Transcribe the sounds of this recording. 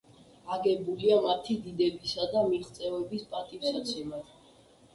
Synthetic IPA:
aɡɛbuliamat̪ʰid̪id̪ɛbisad̪amiɾt̪ʰt̪sʼɛvɛbispʼat̪ʼifsat̪sʰimad

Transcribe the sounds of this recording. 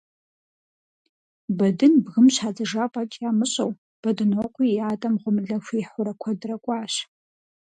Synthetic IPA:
bɐdɨnbɣɨmɕaːd͡zɐʐaːpʼɐtʼjaːmɨɕʼɐw | b̥ɐdɨnoːqʷʼijaːtʼɐmʁʷʊmɨɮɐfʷiːħʷʊɾɐkʷʰɐdrɐkʷʼɑːɕ

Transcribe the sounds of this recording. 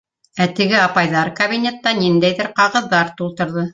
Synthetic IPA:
æt̪ɘ̆ɡɘɑpɑjðɑɾkɐβʲinʲet̪ːɑnind̪æjðɘɾqɑʁɤ̆ðːɑɾt̪ulˠt̪ɤ̆ɾðɤ

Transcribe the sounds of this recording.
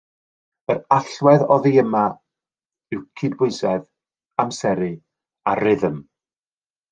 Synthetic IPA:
əɾaɬwɛðɔðiəma | ɪwkʰɪdbʊɨsɛð | amsɛɾɨ | arɪðəm

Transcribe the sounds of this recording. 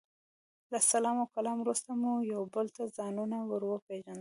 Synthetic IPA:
lasalɑmakalɑmɾust̪amujawbəlt̪azɑnunawəɾwəpeʒand̪

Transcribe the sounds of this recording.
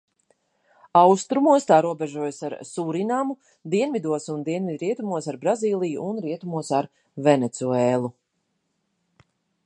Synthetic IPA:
awst̪ɾumuɔst̪aːɾuɔbɛʒuɔjsaɾsuɾinamu | d̪iɛnvid̪uɔsund̪iɛnvid̪ɾiɛt̪umuɔsaɾbɾaziːlˠijṵʔːnɾiɛt̪umuɔsaɾ | vɛnet̪suɛːlˠu

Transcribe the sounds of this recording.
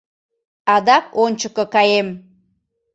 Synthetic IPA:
ɑd̪ɑkonʲt͡ɕəkɤ̆kɑjem

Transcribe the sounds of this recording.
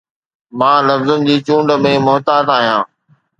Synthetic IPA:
mãːlɐfzənɪ̆d͡ʑiːt͡ɕũːɳɖmẽːmʊɦt̪aːt̪aːɦijãː

